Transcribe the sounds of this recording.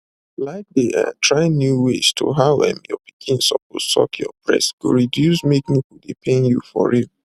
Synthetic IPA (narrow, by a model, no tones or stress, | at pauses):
laɪk̚deʔa̰tʰɹaɪnjuwestʰo̰ɦaɛ̰̃mjɔpʰi̥kʰĩnsɔp̚o̥sɔ̰kʰjɔ̰pʰɹɛ̰sɡ̥o̰ɹidjusmeknikudepʰẽnjṵfɔ̰ɹiv